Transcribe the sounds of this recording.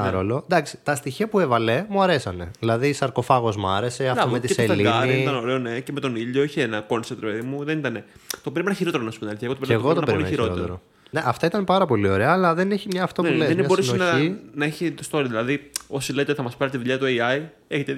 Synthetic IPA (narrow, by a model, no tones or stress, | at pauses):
ɾo̰lo̞d̪ɐksi̥t̪ɐst̪içiɐpuevɐle̞muɐɾe̞sɐne̞ðilɐðisɐɾko̞fɐɣo̞zmuɐɾe̞se̞ɐmmet̪ieselliɐiit̪ɐnoɾeone̞ceme̞t̪o̞niʎo̞içeenɐko̞nset̪ɾepeðimuðenit̪ɐne̞t̪o̞peɾimenɐçiɾoeɾonɐsupund̪nɐliθieɣot̪opɾmeɣoɣot̪onɐpeɾiliennçioɾot̪eeɾo | neʔɐft̪ɐit̪ɐnpɐɾɐpo̞lio̞ɾe̞ɐːlɐðe̞neçimɲɐːft̪opuleemɐboɾusnonɐinɐeçit̪ost̪o̞ɾiðilɐðio̞sile̞t̪eθɐmɐspɐɾit̪iðuʎɐt̪ueiɐj | eçet̪e